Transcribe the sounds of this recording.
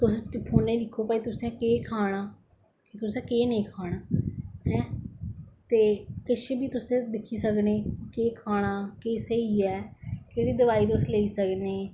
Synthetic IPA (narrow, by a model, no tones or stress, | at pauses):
t̪ʊspʰoːnːẽːlɪkʰːoːpaːiːt̪ʊsẽːkeːkʰaːɽ̃aː | kit̪ʊsɛ̃ːkeːnẽːkʰaːɽ̃aːɦɛ̃ː | t̪eːkɪʃeːbʱiːt̪ʊsẽːd̪ɪkʰːiːsəkneːkeːkʰaːɽ̃aːkeːseiːɛːkeːɽiːd̪əʋaːiːt̪ʊsleːiːsəkneː